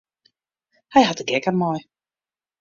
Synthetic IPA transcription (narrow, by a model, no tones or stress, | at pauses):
hɛjɦatəɡɛkəmɔj